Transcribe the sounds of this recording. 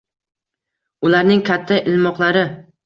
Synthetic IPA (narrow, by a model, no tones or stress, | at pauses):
ʊlaɾnɪŋkʰʲat̪ʰːaʔɪlmɒqlˠaɾɪ